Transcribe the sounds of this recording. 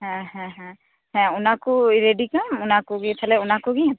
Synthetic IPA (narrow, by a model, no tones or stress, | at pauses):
ɦɛ̃ɦɛ̃ɦɛ̃ | ɦɛ̃ʊnakoiɾeɖikamʊnakoɡitʰaleʊnakoɡiɦ